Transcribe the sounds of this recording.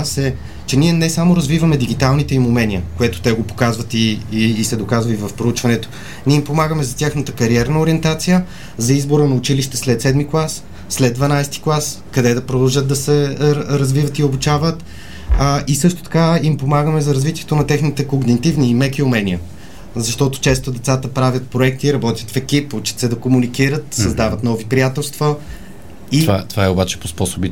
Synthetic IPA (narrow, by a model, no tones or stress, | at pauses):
sɛ | t͡ʃɛniɛnɛsamoɾɐzvivɐmɛd̪iɡit̪alˠnit̪ɛimumɛniəkoɛt̪o̥t̪ɛɡopo̥kazvət̪iːsɛd̪okazvɐivɐfpɾout͡ʃvɐnɛt̪o̥ | nʲiɛimpomaɡəmɛzɐt̪ʲjaxnət̪əkɐɾiɛɾnəoɾiɛnt̪at̪sijə | zɐizboɾənɐʊt͡ʃiliʃt̪ɛslɛt̪sɛd̪miklˠasː | lɛd̪d̪vɐnajst̪i̥klˠaskɐd̪ɛd̪ɐpɾod̪ɐlˠʒəd̪̚d̪ɐsɛɾɐzvivət̪iobut͡ʃavət̪ː | ʔisɤʃt̪o̥t̪ɐ̥kaimpomaɡəmɛzɐɾɐzvit̪ʲiɛt̪onɐt̪ɛxnit̪ɛkoɡnit̪ivniːmɛkiʊmɛniə | zɐʃt̪ɔt̪o̥t͡ʃɛst̪od̪ɛt̪sat̪əpɾavʲjət̪̚pɾoɛk̚t̪iɾɐbɔt̪ʲjə̥t̪fɛkiput͡ʃi̥t̪sɛd̪ɐkomunikiɾət̪sɐzd̪avət̪nɔvipɾijat̪ɛlˠst̪və | ivat̪ovaɛobat͡ʃɛ̥pospɔsobi